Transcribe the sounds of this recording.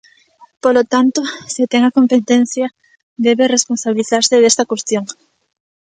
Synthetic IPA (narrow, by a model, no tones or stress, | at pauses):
polot̪ant̪oset̪eŋakompet̪en̟θjɐ | d̪eβeresponsaβiliθaɾseðest̪akwest̪joŋ